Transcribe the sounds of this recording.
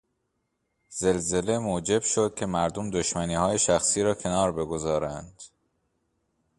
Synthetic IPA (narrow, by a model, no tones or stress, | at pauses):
z̥e̞lze̞le̞moːd͡ʒe̞bʃo̞d̪̥̚cʰe̞mæɾd̪omd̪oʃmæniːhɒːje̞ʃæxsiːɾɒːcʰe̞nɒːɾbe̞ɡo̞zɒːɾænd̪̥